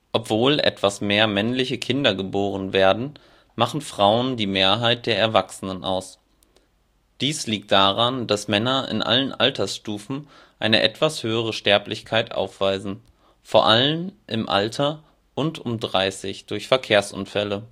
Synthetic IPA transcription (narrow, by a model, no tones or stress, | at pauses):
ʔɔpv̥oːlʔɛ̰tv̥asmeːɐmɛnlɪçəkʰɪndɐɡəboːʁənveːɐdn̩ | maχn̩fʁ̥aʊəndiːmeːɐɦaɪt̚d̥eːɐɛɐvaksənənʔa̰ʊs | d̥iːsliːk̚t̚d̥aːʁand̥asmɛnɐɪ̰nʔa̰lənʔa̰ltʰɐsʃtuːfn̩ | ʔaɪnə̰ʔɛ̰tv̥ashøːəʁ̞əʃtɛɐplɪçkʰaɪtʔa̰ʊfv̥aɪzn̩ | foːɐʔalənʔɪmʔa̰ltʰɐ | ʔʊntʊmdʁaɪsɪçd̥ʊɐçfɛɐkʰeːɐsʔʊ̰nfɛlə